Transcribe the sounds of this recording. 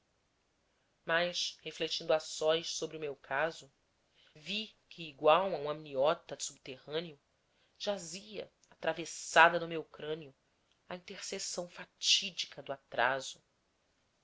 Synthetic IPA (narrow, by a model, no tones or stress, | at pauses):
majʃheflet͡ʃĩnd̪asɔjʃsobɾɪʊmewkʰazʊ | vikʰɪːɡwawɐũmɐminiɔt̪ɐsub̚t̪ehɐ̃niʊ | ʒ̥aziɐ̰ | at̪ɾavesad̪ɐnʊmewkɾɐ̃niʊ | ɐĩnt̪eɾsesɐ̃w̃fat͡ʃid͡ʒikʰɐd̪ʊat̪ɾa̰zʊ